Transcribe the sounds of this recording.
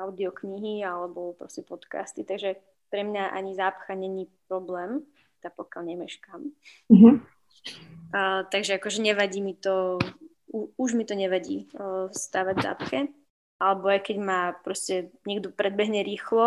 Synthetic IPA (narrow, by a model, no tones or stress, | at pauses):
aʊd̪iɔkɲiɦialɛbɔpɾɔscɛpɔt̪ka̰st̪it̪aɡʒɛ | pɾɛmɲaʔa̰ɲizaːpxaɲɛɲiːpɾɔblɛːm | t̪apɔkɪalɲɛmɛʃkam̩ɦ̩ | t̪aɡʒɛakɔʒɛɲɛʋaɟiːmit̪ɔ | uuʒmit̪ɔɲɛʋaɟḭːst̪aːʋaɟvza̰ːpxɛ | ʔalɛbɔajkɛɟmaːpɾɔscɛɲɛɡd̪ɔpɾɛd̪̚bɛɦɲɛɾiːxlɔ